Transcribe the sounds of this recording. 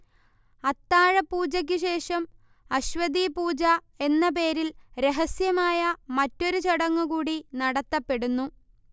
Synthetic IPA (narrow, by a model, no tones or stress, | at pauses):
ɐt̪ːaːɻɐpuːd͡ʑɐk̬ʲːɨɕe̞ːʂɐm | ɐɕʋɐd̪iːpuːd͡ʑɐ | e̞nːɐp̬e̞ːɾilɾe̞ɦɐsjɐmaːjɐmɐtːo̞ɾut͡ɕeɽɐŋːukuːɽinɐɽɐt̪ːɐpːe̞ɽunːu